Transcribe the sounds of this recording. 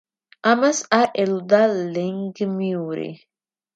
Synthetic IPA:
amasaʔelud̪aleŋɡmiuɾḭ

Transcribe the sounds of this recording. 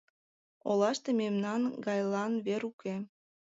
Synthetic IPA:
olɑʃt̪ememnɑnɡɑjlɑnβeɾuke

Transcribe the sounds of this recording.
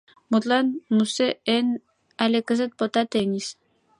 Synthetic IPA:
mut̪lanmuseen | alekəzət̪̚pot̪at̪enʲis

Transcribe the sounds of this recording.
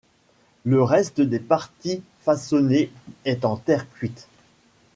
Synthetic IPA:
ləʁɛst̪əd̪epaʁt̪i | fasɔneɛt̪ɑ̃t̪ɛʁkʲɥit̪

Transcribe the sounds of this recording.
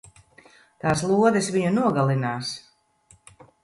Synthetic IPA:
t̪aːs̬lˠuɔd̪ɨsviɲunuɔɡalˠinaːs

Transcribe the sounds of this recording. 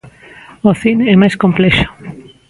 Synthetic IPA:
oθineɛmajskomplɛʃo̥

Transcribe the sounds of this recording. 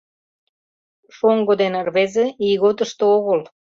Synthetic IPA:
ʃoŋɡod̪enrβezeiɣot̪əʃt̪ooɣəl

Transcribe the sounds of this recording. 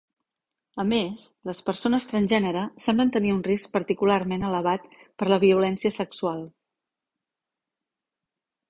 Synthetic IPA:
əmesləspəɾsonəst̪ɾənʲʒɛnəɾəsɛmblənt̪əniunrisk̚pəɾt̪ikularmenələβ̞at̪pəɾləβiulɛnsiəsəksualˠ

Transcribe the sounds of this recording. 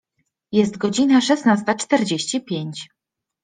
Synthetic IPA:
jɛst̪̚ɡɔd͡ʑinaʂɛsnast̪at͡ʂt̪ɛɾd͡ʑeɕt͡ɕipʲjeɲt͡ɕ

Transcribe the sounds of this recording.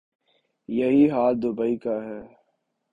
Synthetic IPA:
jɐɦiɦaːld̪ʊbəikaɦɛː

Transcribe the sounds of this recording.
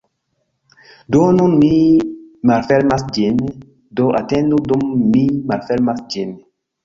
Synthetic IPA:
donunmimalfeɾmasd͡ʒin | doʔatẽndudumːimalfeɾmasd͡ʒin

